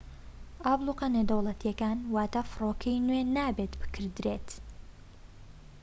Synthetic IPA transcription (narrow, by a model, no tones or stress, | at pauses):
ʔaːblˠuqɐned̪ɐwlˠɐt̪ijɛkaːnwaːt̪afɨroːkʰɐjnwenaːbeːt̪bɨ̥kʰɨɾd̪ɾeːt̪